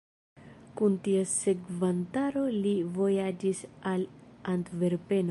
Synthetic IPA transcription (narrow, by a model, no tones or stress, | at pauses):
kuntiase̞kvantaɾo̞livo̞jad͡ʒisalantve̞ɾpe̞n